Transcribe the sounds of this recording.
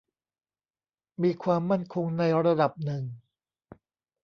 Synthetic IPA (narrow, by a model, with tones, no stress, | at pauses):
miː˧kʰwaː˧mːa˥˩nkʰo˧ŋna˧jɾa˧da˨˩p̚nɯ˨˩ŋ